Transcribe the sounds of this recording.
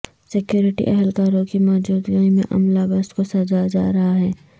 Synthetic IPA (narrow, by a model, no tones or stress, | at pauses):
sɪkjoːɾɪʈḭʔɛɦɛlkaːɾõkimɔːd͡ʒuːd̪ɡaimḛ̃ʔɐ̰mlabɐst̪kosɐd͡ʒad͡ʒaːɾɐɦaɦɛː